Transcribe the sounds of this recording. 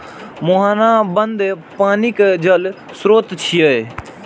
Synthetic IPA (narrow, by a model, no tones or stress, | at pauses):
moɦaːnãːbənd̪paːnikd͡ʒəl | sɾoːt̪t͡ʃʰiəe